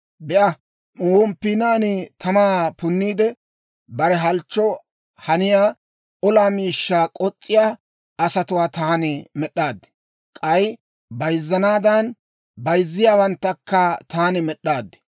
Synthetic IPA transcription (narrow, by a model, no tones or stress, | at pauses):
bɛʔɐ | wɔmpːiːnaːnɪt̪ʰɐmaːpʊnːiːd̪ɛ | bɐɾɛɦɐlt͡ʃːɔ | hɐnɪjaː | ɔlaːmiːʃːaːkʼɔt͡sʼːɪjaː | ɐsɐt̪ʊwaːt̪aːnɪmɛɗːaːd̪ːɛ̥ | kʼɐj | bɐjzːɐnaːd̪ɐn | bɐjzːɪjaːwɐnt̪ːɐkːɐt̪aːnɛmɛɗːaːd̪ːɛ̥